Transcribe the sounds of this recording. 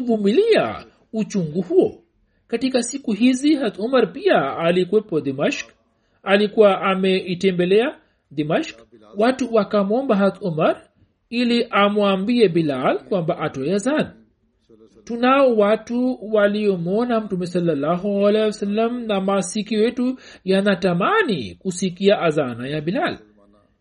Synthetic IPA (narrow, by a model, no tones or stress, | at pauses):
vumilia̰ | ut͡ʃuŋɡuhuɔ | katikasikuɦiziɦat̪umaɾpiaːlikuɛpɔd̪imaʃk | alikuwaʔamɛitɛmbɛlɛa | d̪imaʃk | watuwakamɔmbaɦatumaɾ | iliʔamwambiɛbilalkwambaʔatɔɛazana | tunaɔwatuwaliɔmɔnam̩tumɛsalːalːaɦualɛsalːamnamasikiɔjɛtujanatamanḭkusikiaʔazanajabilal